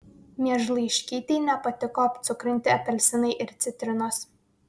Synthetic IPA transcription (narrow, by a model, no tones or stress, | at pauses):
mʲiɛʒlˠɐɪʃʲkʲiːt̪ʲɛːnʲɛpɐt̪ʲɪkoɐpʲt̪sʲʊkɾʲɪnʲt̪ʲɪɐpʲɛlʲsʲɪnɐɪʔɪɾt̪sʲɪt̪ʲɾʲɪnoːs